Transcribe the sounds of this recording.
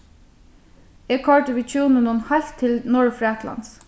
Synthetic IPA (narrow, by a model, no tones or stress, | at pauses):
eːkʰɔɹʈəʋɪt͡ʃʰuːnənʊnhɑlt̪ʰːɪlnʊɹfɹæːt̪ʰlɑ̰ns